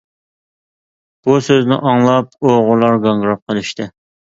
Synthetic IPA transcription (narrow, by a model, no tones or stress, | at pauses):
b̥usøznɪ̰ʔɑŋlˠɑp̚oʁʊlˠɑɾɡɑŋɡɾɑp̚qʰəlˠɪʃt̪ʰɪ